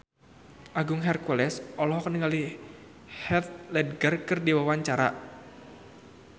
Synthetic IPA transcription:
ʔaɡʊŋɦɛrkulɛsɔlɔhkəniŋali | hɛt̪̚lɛd̚ɡərkɨrdiwawaɲt͡ʃaɾa̰

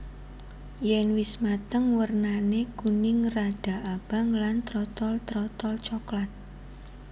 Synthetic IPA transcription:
jɛnwɪsmat̪əŋwərnaneɡ̥unɪŋraɖ̥a̤ʔab̥a̤ŋlant̪ɾɔt̪ɔlt̪ɾɔt̪ɔlt͡ʃɔklat̪̚

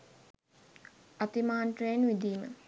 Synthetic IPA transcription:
ɐt̪imaːnʈɾeːnʋid̪iːmə̰

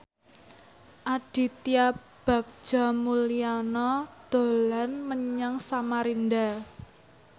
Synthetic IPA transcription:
ʔaɖ̥i̤t̪ia | b̥a̤k̚d͡ʒ̥amulianɔd̪̥o̤lanməɲaŋsamaɾinda

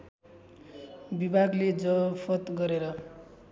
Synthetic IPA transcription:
bibʱaɡled͡zʌpʰʌt̪ɡʌɾeɾʌ

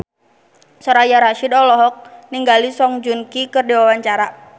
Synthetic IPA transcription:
sɔɾajaɾaʃidɔlɔɦɔk̚niŋɡalisɔŋd͡ʒunkikɨrdiwawaɲt͡ʃaɾa

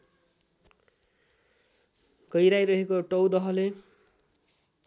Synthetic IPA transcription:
kʌjɾajɾʌɦekoʈʌwd̪ʌɦʌle

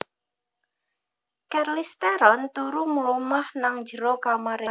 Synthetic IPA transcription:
kɛrlist̪ɛɾɔnt̪uɾuməlumahnaŋd͡ʒəɾokamaɾa

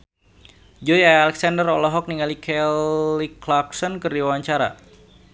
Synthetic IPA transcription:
d͡ʒɔjaalɛksandərɔlɔɦɔk̚niŋalikʰɛliklaksɔnkərdiwawaɲt͡ʃaɾa̰

